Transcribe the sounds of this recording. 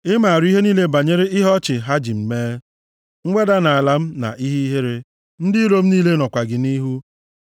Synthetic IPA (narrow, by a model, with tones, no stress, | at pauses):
ɪ˦ma˨a˨ɾi˦ɦe˦niː˦le˦ba˨ɲe˦ɾɪ˦ɪ˦ɦɔ˦t͡ʃɪ˨ɦa˦d͡ʒi˨m̩˨meː˦ | ŋ̩˦ɡ͡be˦da˦na˨a˨la˨m̩˦na̰˨ʔi˦ɦi˦ɦe˦ɾe˦ | n̩˦dɪ˦ɾo˦m̩˦niː˦le˦nɔ˨kʷa˨ɡɪ˨ni˦ɦu˦